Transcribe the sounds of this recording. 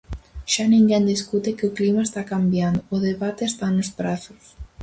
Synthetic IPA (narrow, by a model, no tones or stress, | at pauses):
ʃanĩŋɡɛnd̪iskut̪ekɪʊklimaest̪akambjand̪ʊʊðeβat̪eːst̪anʊspɾaθʊs